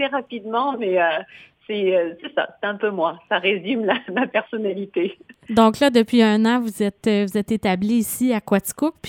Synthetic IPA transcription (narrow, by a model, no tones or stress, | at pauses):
sɛʁapid̪mɑ̃mɛøsɛøsɛsa̰se̥t̪ɛ̃pømwasaʁezimlamapɛʁsɔnalit̪ed̪ɔ̃klad̪əpɥiœ̃nɑ̃vuzɛt̪øvuzɛt̪et̪abliːsiakwat̪i̥kʊk̚p